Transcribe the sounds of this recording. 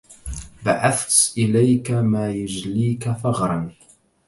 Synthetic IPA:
baʕaθt̪ʔɪlajkamaːjʊd͡ʒliːkaθɑɣɾˤɑn

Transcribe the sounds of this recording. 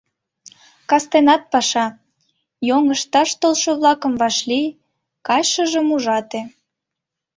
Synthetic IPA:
kɑst̪enɑt̪̚pɑʃɑ | joŋəʃt̪ɑʃt̪olʃoβlɑkə̆mvɑʃli | kɑjʃəʒə̆muʒɑt̪e

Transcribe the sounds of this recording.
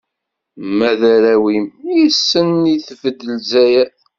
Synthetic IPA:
mæðæɾæwimjisːənːiθəfəd̪əlzæjæ

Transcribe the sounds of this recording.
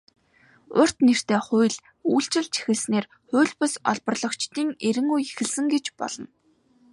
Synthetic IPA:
ʊr̥t̪ner̥t̪eːχʊjɮ | uːɬt͡ɕɪ̆ɮt͡ɕʰi̥xɘ̆ɮsneːr | χʊːɮʲpɔsɔ̰ɮpɞ̆rɮɞ̆kt͡ɕt̪iːŋeɾɘ̆ŋujexɘ̆ɮsɘ̆ŋɡet͡ɕpɔ̰ɮɞ̆n

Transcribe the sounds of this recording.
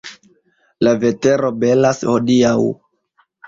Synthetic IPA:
lave̞te̞ɾo̞be̞lasho̞diaw

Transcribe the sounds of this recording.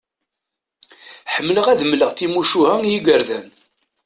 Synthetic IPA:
ħəmːləʁæðəmləʁθimuʃuhæŋjiɡəɾðæn

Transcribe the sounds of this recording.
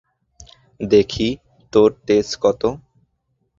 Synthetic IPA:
d̪ekʰi | t̪oɾʈeskɔt̪o

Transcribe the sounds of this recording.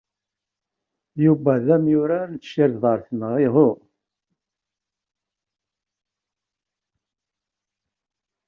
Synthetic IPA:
juvæðæmjʊɾant͡sːʃiɾðˤɑɾˤθnəʁɪʁʊ

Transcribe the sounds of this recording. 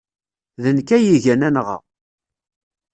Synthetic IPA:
ðənkæjiʝænænʁɑ̰

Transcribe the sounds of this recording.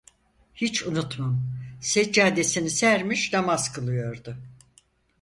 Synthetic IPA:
hit͡ʃʰunut̪mamsed͡ʒaːd̪e̞sinisæɾmiʃd̪amaz̥kʰɯlˠɯjo̞ɾd̪ʊ

